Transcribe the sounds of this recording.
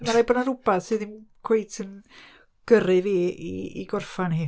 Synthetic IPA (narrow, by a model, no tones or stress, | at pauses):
maɾajbɔnaɾubaðsɨːðimkʰw̥ejtʰən | ɡ̥ərɨviːḭḭɡɔrfanhiː